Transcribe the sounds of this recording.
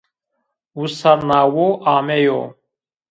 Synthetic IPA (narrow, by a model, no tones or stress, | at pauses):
usɐɾnaːwoːʔaːmejo̰ː